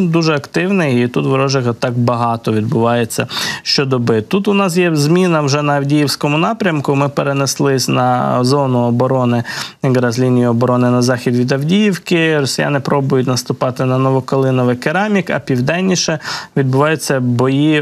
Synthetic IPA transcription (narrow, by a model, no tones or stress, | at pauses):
d̪uʒɛɐkt̪ɪwnɪjit̪ut̪ʋɔɾɔʒɪɣɐt̪ɑk̚bɐɦɑt̪ɔʋʲid̪̚bʊʋɑjet͡sʲːɐʃt͡ʃɔd̪ɔbɪt̪ut̪ʊnɑs̬jɛzʲmʲinɐwʒɛnɐɐwdʲijiwsʲkɔmʊnɑpɾʲɐmkʊmɪpeɾeneslˠɪsʲnɐ̰zɔnʊɔbɔɾɔnɪɡɾɐzlʲinʲijiɔbɔɾɔnɪnɐzɑxʲid̪ʋʲid̪ɐwdʲijiwkɪɾɔsʲɪjɑ̰nɪpɾɔbʊjʊt̬ʲnɐst̪ʊpɑt̪ɪnɐnɔʋɔkɔlˠɪnɔʋɪkeɾɑmʲikɐ̰pʲiwd̪ɛnʲːiʃɛʋʲid̪̚bʊʋɑjʊt͡sʲːɐbɔji